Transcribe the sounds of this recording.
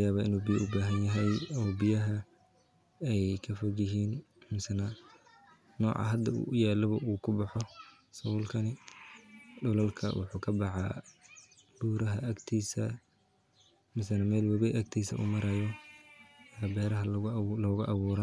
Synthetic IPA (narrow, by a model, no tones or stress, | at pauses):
jaːβaːɪnuːbijɐʔʊbaːɦɐnjɐɦɛjɔːbɪjɐɦɐ | ɛjkʰɐfɔɡjɪɦiːn | mɪsɐnɐ | nɔ̰ːʕɑ̰ɦɐd̪ɐṵjaːlɐβɐʔuːkʰʊbɑħɔ | sɐwʊlkʰɐnɪ | ɖʊlɐlkʰɐ̰wʊ̰ħuːkʰɐbɑħɑ̰ | ɖ̥uːɾɐɦɐʔɐkt̪ʰiːsɐ | mɪsɐnɐmɛːlwɐβɛʔɐk̚t̪ʰiːsɐ̰ʔṵːmɐɾɐjɔ | bɛːɾɐɦɐlɔːɣɐʔɐβuːɾɐn